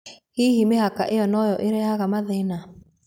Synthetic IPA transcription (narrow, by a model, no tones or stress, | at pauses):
hiɦimeɦakaʔejɔnɔjɔʔeɾɛaɣamaðɛna